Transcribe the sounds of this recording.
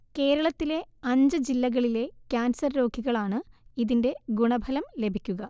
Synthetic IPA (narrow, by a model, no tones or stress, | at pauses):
ke̞ːɾɐɭɐt̪ːile̞ɐɲd͡ʑɨd͡ʑilːɐɣɐɭile̞kʲaːnsɐrɾo̞ːɡiɣɐɭaːɳɨiðinde̞ɡuɳɐbʱɐlɐmle̞bʱikʲːuɣɐ